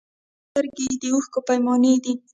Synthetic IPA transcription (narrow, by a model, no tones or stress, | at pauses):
t̪əɾɡed̪əuxkopajmɑned̪i